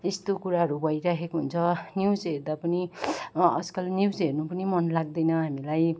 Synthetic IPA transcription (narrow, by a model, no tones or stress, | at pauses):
est̪okuɾaɦʌɾubʱʌiɾaɦekoɦunt͡sʰʌnjiwd͡zɦeɾd̪apʌni | ʌ̰d͡zkʌlniwd͡zɦernupʌnimʌnlaɡ̚d̪ʌjnʌɦamilaj